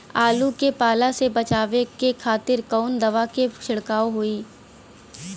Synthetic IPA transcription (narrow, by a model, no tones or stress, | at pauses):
aːlukepaːlasebɐt͡ʃaːʋekekʰaːt̪ɪɾkɔːnd̪ɐʋaket͡ʃʰɪɽkaːoɦoiː